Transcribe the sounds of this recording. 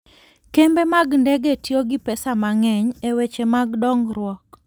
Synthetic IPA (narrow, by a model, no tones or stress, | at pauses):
kembemaɡndɛɡetjoɡɪpɛsamaŋɛɲewet͡ʃemaɡdɔŋɾwɔk